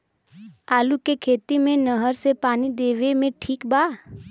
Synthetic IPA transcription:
aːlukekʰeːt̪imẽnəɦəɾsepaːnid̪eːʋemẽʈʰiːkbaː

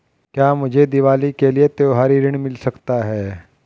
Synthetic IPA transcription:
kjaːmʊd͡ʒʱed̪ɪʋaːlikeliet̪eoɦaɾiːɾəɳ̃mɪlsɐkt̪aɦɛː

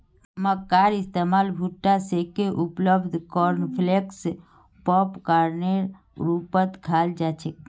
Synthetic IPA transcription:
məkːaɾɪst̪emaːlbʱuʈːasekeʔupləbd̪ʱkɔɾnpʰleks | pɔpkaɾne | ɾupət̪kʰald͡ʒat͡ʃʰek

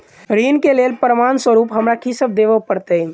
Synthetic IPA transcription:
ɾiːnkeleːlpɾəmanswəɾuːpɦəmɾakʰisəb̚d̪eʋəpəɾt̪əi

